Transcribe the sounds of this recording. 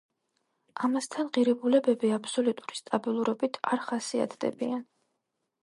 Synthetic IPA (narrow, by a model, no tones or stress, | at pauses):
amast̪ʰanʁiɾɛbulɛbɛbiapʰsɔlut̪ʼuɾist̪ʼabilˠuɾɔbit̪ʰaɾχasia̰t̪ʰd̪ɛ̰bian